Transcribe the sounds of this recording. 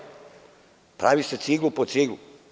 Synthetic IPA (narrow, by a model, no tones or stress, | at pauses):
pɾa̰ːʋiset̪siɡlupot̪siɡlu